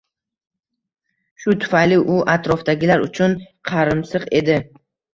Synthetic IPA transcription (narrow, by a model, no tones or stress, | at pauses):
ʃʊt̪ʰʊ̥fajlɪʔʊʔat̪ʰɾɒfd̪aɡʲɪlaɾʊt͡ʃʰʊnqʰɑɾɪmsɨqe̞d̪ɪ